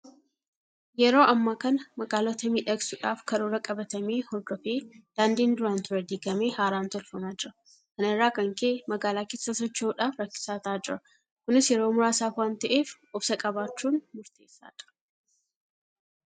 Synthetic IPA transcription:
jɛɾo̞ːʔɐmːaːkɐnɐmɐɡaːlɔt̪ɐmiːᶑɐksʊᶑaːfkɐɾuːɾɐkʼɐbɐt̪ɐmeːhɔɾd̪ɔfeːd̪̥aːnd̪iːnd̪ʊɾaːnt̪ʰʊɾɐd̪iːɡɐmeːhaːɾaːnt̪ɔlfɐmaːd͡ʒɪɾɐ | kɐnɪrːaːkɐŋkemɐɡaːlaːkeːsːɐsɔt͡ʃːoːᶑaːfɾɐkːɪ̥saːt̪aːd͡ʒɪɾɐ | kʊnɪsjɛɾo̞ːmʊɾaːsaːfwaːnt̪ɐʔeːf | ʊbsɐkʼɐβaːt͡ʃːuːnmʊɾt̪ʰe̞̰ːsːa̰ːt͡ʃɪ̥ɾɐ̥

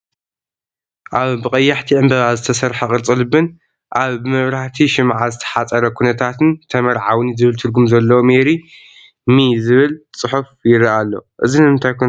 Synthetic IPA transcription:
ʔaβbɨkʼɐjːaħt̪ʰiʕɨmbɐβazɨt̪ʰɐsɐɾħɐkʼɨɾt͡sʼɨlɨbɨn | ʔaβbɨmɐβɾaħt̪ʰiʃɪmʕazɨt̪ʰɐ̥ħat͡sʼɐɾɐkʰunɐt̪ʰat̪ʰɨnt̪ʰɐmɐɾʕawɨnizɨβɨlt̪ʰɨɾɡumzɐlːɐwomeɾi | mizɨβɨlt͡sʼɨħufjɪɾaʔalːo̞̰ʔɨzinɨɨnt̪ʰajkʰu

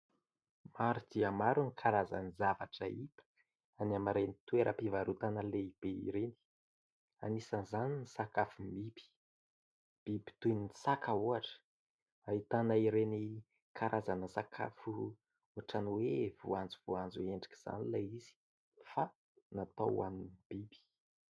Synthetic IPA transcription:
maɾud̪̥iamaɾunikʰaɾaza̰nizavaʈ͡ʂəip̪ə̥ | anamaɾenit̪uweɾʔəpivaɾut̪anəleib̥eḭɾeni̥ | a̰nisənzaninisakafumibi̥ | b̥ibi̥t̪uiniisakauaʈ͡ʂə̥ | ait̪anaiɾeni | kʰaɾazanəsakʰa̰fu | uaʈ͡ʂanwevṵand͡ziv̥uand͡zueɳɖ͡ʐi̥ki̥z̥a̰nilaizi̥ | fa | nat̪owaninib̥ibi̥

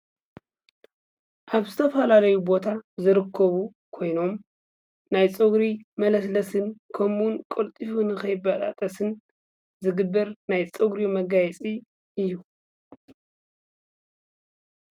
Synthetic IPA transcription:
ʔaβzɨt̪ʰɐfɐlalɐjubo̞t̪ʰazɨɾɨkʰːɐβu | kʰo̞jno̞m | najt͡sʼɨɡɾimɐlɐslɐsɨnkʰɐmunkʼolt̪ʼifunɨxɐjɪbat̪ʼa̰t̪ʼɐsɨn | zɨɡɨbːɐɾnajt͡sʼɨɡɾimɐɡajɛt͡sʼi | ɨjːu

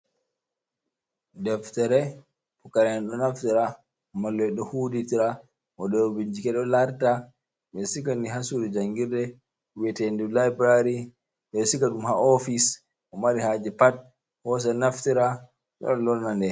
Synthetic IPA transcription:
dɛftɛɾɛ | pukaɾɛnaɗɔnaftiɾa | malːɛɗɔhuditiɾa | ʔɔɗɔbiɲd͡ʒikɛɗɔlaɾta | ɓɛsikaniɦasuɾid͡ʒaŋɡiɾdɛ | wɛtɛndɛlajbɾaɾi | ɓɛsikaɗumhaɔfis | ʔɔmaɾihad͡ʒɛpat̚ | hɔs̬ɛnaftiɾa | ɓɔ̰ɗɔlɔɾnandɛ

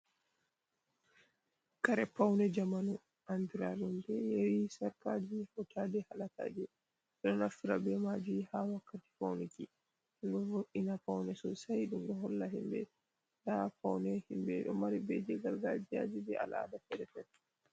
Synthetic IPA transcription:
kaɾɛpawnɛd͡ʒamanu | ʔandiɾaɗumdɛjɛwisaɾkad͡ʒihɔtadɛhalata̰ːd͡ʒɛ | ɛɗɔnafiɾabɛmad͡ʒihawakːati̥pawnɛki | ɗɔvoʔinapawnɛsɔsajɗumɗɔɦɔlːaɦimbɛ̰ | tapawnɛhimbɛ̰ɗɔmaɾibɛd͡ʒɛɡalɡad͡ʒia̰d͡ʒibɛʔa̰laa̰dafɛdɛfɛtː

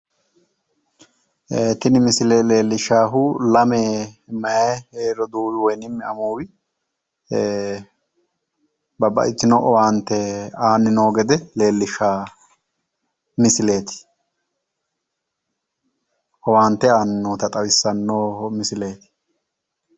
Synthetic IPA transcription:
eːt̪ɪnɪmɪslele̞ːlːɪʃaːɦulɐmeːmɐjajheːɾɔd̪uːwɪwɔjnɪmːɛɐmuːwɪ | bɐbɐ̰ʔɪt̪ːɪnoːʔɔwaːnt̪ːɛaːnːɪnoːɡɛd̪ɛle̞ːlːɪʃaː | mɪsɪle̞ːt̪ɪ̥ | ʔɔwaːnt̪ːɛaːnːɪnoːt̪ɐt̪ʼɐwɪsːɐnːoːmɪsɪle̞ːt̪ɪ̥

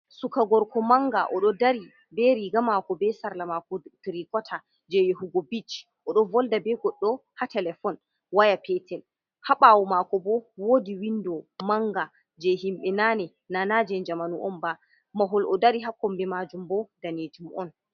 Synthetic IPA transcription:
sukaɡɔɾkɔmaŋɡaʔɔɗɔdaɾi | bɛɾiɡamakɔbɛsaɾlamakɔtɾikɔtʰa | d͡ʒɛjehuɡɔbit͡ʃ | ʔɔɗɔvɔldabɛɡɔɗːɔhatɛlɛfɔn | wajapɛtɛl | haɓawɔmakɔbɔwoːdiwindɔmaŋɡa | d͡ʒɛɦimɓɛnanɛ | nanad͡ʒɛnd͡ʒamanuʔɔmba | maɦɔlʔɔdaɾiɦakːɔmbɛmad͡ʒumbɔdanetimɔn

